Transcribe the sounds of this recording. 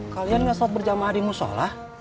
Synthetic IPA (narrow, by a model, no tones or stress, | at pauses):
kalianɡasɔat̪̚bərd͡ʒamaɦadimuso̰lah